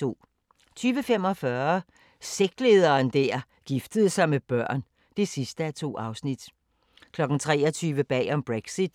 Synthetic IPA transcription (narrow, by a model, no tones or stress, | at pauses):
o̝̰ː | t͡sʰyːʋəfem̰ɒ̽fɶːɐ | seɡ̥d̥le̝ːð̞ˠɐːnd̥æɐ̰ | ɡ̥ifd̥əð̞ˠsɑ̈ɪmeb̥ɶɐ̰n | d̥e̝sisd̥əæɐt͡sʰo̝̰ːɑ̈ʊsnid̥ | kʰlɒ̽ɡ̥n̩t͡sʰʁɛːɒt͡sʰyːʋəb̥ɛ̰ːɒ̽mb̥ʁeɡ̥sid̥